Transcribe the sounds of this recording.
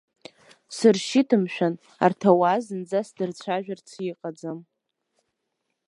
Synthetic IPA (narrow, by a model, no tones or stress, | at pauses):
sɨrʃitʰɨmʃᶣan | a̰rtʰawazɨnd͡zasdɨrt͡ɕʷʰaʒᶣart͡sʰiqʼad͡zam